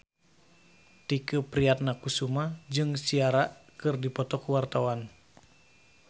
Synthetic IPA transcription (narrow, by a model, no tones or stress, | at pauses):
t̪ikəpɾiat̪̚nakusumad͡ʒɨŋsiaɾaʔkɨrdipɔt̪ɔkuwart̪awan